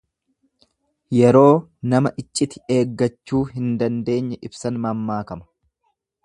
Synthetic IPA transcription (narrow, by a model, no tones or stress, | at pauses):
jɛɾo̞ːnɐmɐʔɪt͡ʃʼːɪt̪ɪ̥e̞ːɡːɐt͡ʃːuːɦɪnd̪ɐnd̪e̞ːɲːɐʔɪbsɐnmɐmːaːkɐmɐ̥